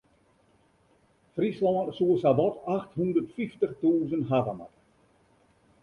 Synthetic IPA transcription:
frislɔːrsuəsabɔtaxthundərtfiftəχtuːzənɦavama̰r

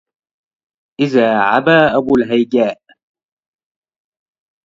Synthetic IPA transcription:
ʔɪðaːʕa̰baːʔabuːlɦajɡaːʔ

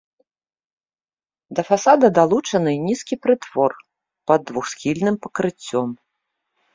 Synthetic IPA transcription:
d̪ɐfasad̪ɐd̪alˠut͡ʂɐnɨnʲiskʲipɾɨt̪v̥ɔr | pɐd̪ːvuxsxʲilʲnɨmpɐkɾɨt͡sʲːɔm

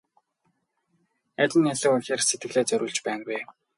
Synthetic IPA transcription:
æt̪ʲɪ̆naɮɘ̆kʊxʲeːrset̪ɡɘ̆ɮeːt͡sœɾʲʔuːɮt͡ɕpæːnwe

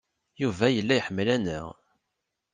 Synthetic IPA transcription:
juvæjəlːæjəħəmːəlænəʁ

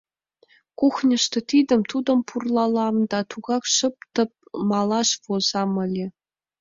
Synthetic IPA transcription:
kuxnʲɤ̆ʃt̪ɤ̆t̪id̪ə̆mt̪ud̪ɤ̆mpʰurlˠɑlˠɑmd̪ɑt̪uɡɑkʃɤ̆p̚t̪ɤ̆p̚mɑlˠɑʂvozɑmɤ̆lʲĕ

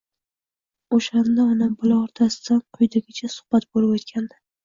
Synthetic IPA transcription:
oʃand̪aɒnambʊlaɒɾt̪ʰasɪd̪̥anqʰʊjd̪aɡʲɪt͡ʃʰasʊ̥hb̥at̪bolɪbot̪kʲʰand̪ɪ

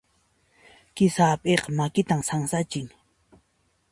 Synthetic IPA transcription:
kɪsaːpʼeqmakɪt̪amsaŋsat͡ʃɪŋ

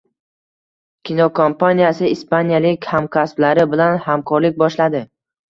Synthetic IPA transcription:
kʲʰinɒkʰompanijasɪispanijalɪkʲhamkʰʲasblaɾɪbɪlanhamkʰɒɾlɪk̚ʲbɒʃlad̪ɪ

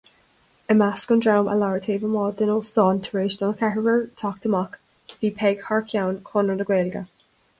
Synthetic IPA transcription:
əmaskʊndɹawmʔə̰laɹət̪ʰeːvəmɔːd̪ɪnosɔːnt̪ʰəɹeːʃd̪ɔnkʰɛɹəvəɹt̪ʰɔk̚t̪əmak | viːpʰɛɡhaɹkʰjawnkʰɔnənəɡweːlɡə̰

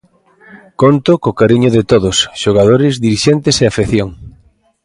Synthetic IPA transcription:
kont̪ʊkokaɾiɲʊðɪt̪oðosʃoɣað̞oɾɪzðiɾiʃɛnt̪ɪseafeθjoŋ

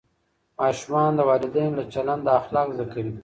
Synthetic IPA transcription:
mɑːʃumɑnd̪əwɑːlɪd̪ajnlat͡ʃaland̪aːxlɑːkzəkawi

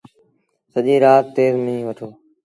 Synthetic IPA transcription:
səʄĩːɾaːt̪ːeːzmĩːʋəʈʰoː

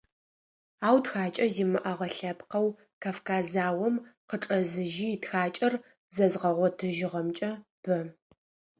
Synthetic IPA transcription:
aːwtxaːt͡ʃʼɐziːmɨʔɐʁɐɬɐpqɐw | kʰaːfkʰaːzaːwɔmqəʈ͡ʂʼɐzɨʒiːtxaːt͡ʃʼɐr | zɐzʁɐʁʷɔtʰɨʒɪʁɐmt͡ʃʼɐb̥ɐ

